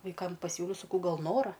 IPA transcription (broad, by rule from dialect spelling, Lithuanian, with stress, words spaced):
ʋɐɪˈkɐm pɐˈsʲuːlʲɛʊ sɐˈkɐʊ ˈɡɐlˠ ˈnoːrɐ